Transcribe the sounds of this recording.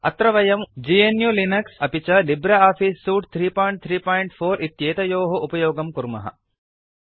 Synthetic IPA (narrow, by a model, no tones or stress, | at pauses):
ɐ̰t̪ɾɐʋɐjɐmd͡ʒienjulinɐksɐpit͡ʃɐlibɾɐaːfiːsːuːʈt̪ʰɾiːpaːjɳʈ̚t̪ʰɾiːpaːjɳʈfʰoːɾʔit̪jeːt̪ɐjoːɦɐʔupɐjoːɡɐmkuɾmɐ̰ɦɐ̰